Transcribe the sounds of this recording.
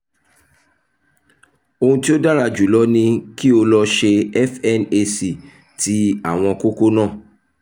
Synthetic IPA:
o˧hũ˧ti˦o˦da˦ɾa˧d͡ʒu˨lɔ˨˦nĩ˧ki˦o˧lɔ˧ʃe˧ɛ˦fɛ˦ne˧si˨ | ti˦a˦˨w̃ɔ̃˧ko˦ko˦nãː˦˨

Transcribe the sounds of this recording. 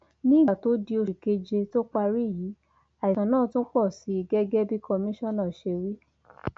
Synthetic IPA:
nĩ˦˨ɡa˨to˨˦di˧o˧ʃi˨ke˧d͡ʒe˧to˦k͡pa˧ɾi˦˨ji˨˦ | a˨i˨ã˨˦nãː˦˨tũ˦k͡pɔ˦˨si˨˦˧ɡɛ˦ɡɛ˦bi˦kɔ˧mĩ˦ʃɔ̃˦˨nã˦˨ʃe˧wi˦

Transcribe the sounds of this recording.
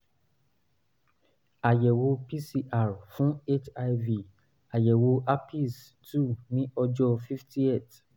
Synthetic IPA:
a˨jɛ˨wo˧pi˦si˧ʔa˦˨ɾfũ˦e˦t͡ʃa˧jvi˨ | a˨jɛ˨wo˧a˦pi˦˨s | tu˦˨nĩ˦ɔ˧d͡ʒɔ˧fi˦fti˦e˦˨t

